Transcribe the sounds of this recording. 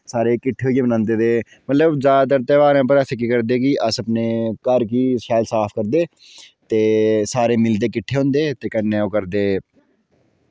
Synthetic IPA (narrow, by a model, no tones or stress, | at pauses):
saːɾeːkɪʈʰːeːɦoːieːbənãːnd̪eːd̪eː | mət̪ləbd͡ʒaːd̪əɾt̪ɛːʋaːɾãːp̬əɾɛːseːk̬iːkəɾd̪eːkɪʔəsəpneːkəɾkiːskʰaːlsaːfʰkəɾd̪eː | t̪eːsaːɾeːmɪld̪eːk̬ɪʈʰːeːɦõːnd̪eːt̪eːkənːɛːoːkəɾd̪eː